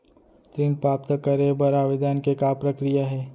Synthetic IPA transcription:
t̪ɾiːmpɾaːp̚t̪əkɐɾebɐɾaːʋɪd̪ʱaːnkekapɾɐkɾijaɦɛː

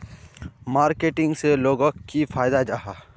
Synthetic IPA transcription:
maːɾkeːʈɪ̃ŋɡseloːɡõkifʰaːjd̪ad͡ʒaɦaː

